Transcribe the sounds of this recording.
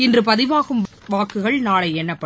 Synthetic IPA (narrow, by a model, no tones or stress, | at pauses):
ɪndrɯp̬ɐðɪʋaːɣɯm | ʋaːkːɯɣɐɭnaːɭɐɪɛnːɐpːɐ